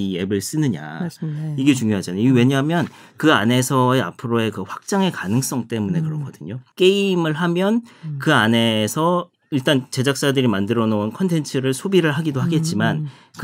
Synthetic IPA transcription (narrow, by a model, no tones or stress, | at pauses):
ie̞bɯɭs͈ɯnɯɲa̰iɡe̞t͡ɕuŋjoɦad͡ʑaniwe̞ɲaɦamjʌnkɯane̞sʰʌe̞a̰pʰɯɾoe̞kɯɸwak̚t͡ɕ͈aŋe̞kanɯŋs͈ʌŋt͈e̞munekɯɾʌkʰʌd̥ɯɲok͈e̞imɯɭɦamjʌnkɯane̞sʰʌ | iɭt͈ant͡ɕe̞d͡ʑak̚s͈adɯɾimandɯɾʌnounkʰʌntʰe̞nt͡ɕʰɯɾɯɭsʰobiɾɯɭɦaɡidoɦaɡe̞t̚t͡ɕ͈iman | k